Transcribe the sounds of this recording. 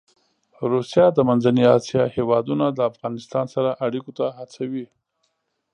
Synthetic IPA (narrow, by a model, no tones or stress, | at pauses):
ɾusjɑd̪əmanzaniɑsjɑhewɑd̪unad̪əafɣɑnɪst̪ɑnsaɾaʔaɽikot̪ahat͡sawi